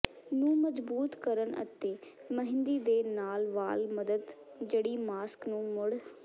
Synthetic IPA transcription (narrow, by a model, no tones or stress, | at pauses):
nũːməd͡ʒbuːt̪kəɾənʔə̰t̪eːməɦɪnd̪iːd̪eːnaːlʋaːlməd̪əd̪ | d͡ʒeːɽiːmaːsknũːmʊɽ